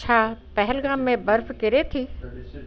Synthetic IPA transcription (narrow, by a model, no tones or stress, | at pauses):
t͡ʃʰapɛɦɛlɡaːmːẽbɐɾfkɪɾet̪ʰiː